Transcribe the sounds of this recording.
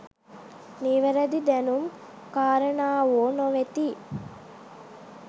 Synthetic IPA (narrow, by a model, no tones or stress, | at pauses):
niʋəɾəd̪id̪ænum | kaːɾənaːoːnoʋet̪iː